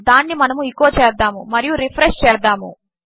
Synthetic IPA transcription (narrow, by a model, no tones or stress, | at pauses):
d̪aːnːimɐnɐmuikːoːt͡ʃɛːɾd̪aːmumɐɾijuɾipʰɾeʂt͡ʃɛːɾd̪aːmṵ